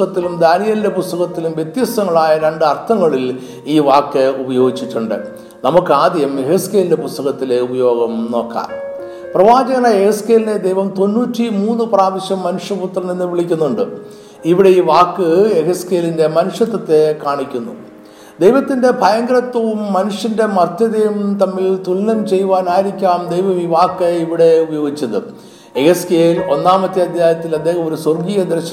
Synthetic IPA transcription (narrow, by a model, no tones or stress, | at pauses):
ɣɐt̪ːilumd̪aːnijɐlindepust̪ɐɣɐt̪ːilumʋjet̪jɐst̪ɐŋːɐɭaːjɐɾeɳɖɨɐrt̪ʰɐŋːɐɭil | iːʋaːkːɨubɐjo̞ːɡit͡ɕːitːuɳɖɨ̰ | nɐmukːɨaːd̪ʱijɐmeheske̞ːlindepust̪ɐɣɐt̪ːile̞ubɐjo̞ːɡɐmno̞ːkːa̰ː | prɐʋaːd͡ʑɐɣɐnɐehɐske̞ːline̞d̪ejʋɐmt̪o̞nːuːtːimuːnːɨpraːʋɐɕjɐmːɐnuʂɐput̪ːrɐnenːɨʋiɭikʲːunːuɳɖɨ | iʋiɽe̞iːʋaːkːɨeɣɐske̞ːlinde̞mɐnuʂjɐt̪ːɐt̪ːe̞kaːɳikʲːunːṵ | d̪ejʋɐt̪ːinde̞bʱɐjɐŋɡɐɾɐt̪ːɐʋumːɐnuʂinde̞mɐrt̪jɐðɐjumt̪ɐmːilt̪ulnɐnt͡ɕe̞jːuʋaːnaːjiɾikʲːaːmd̪ejʋɐmiːʋaːkːeiʋiɽe̞ubɐjo̞ːɡit͡ɕːɐðɨ̰ | eɣɐskeːlo̞nːaːmɐt̪ːiɐd̪ʱjaːjɐt̪ːilɐd̪ːe̞ːhɐmoɾusorɡiːjɐd̪ɾɐɕɐ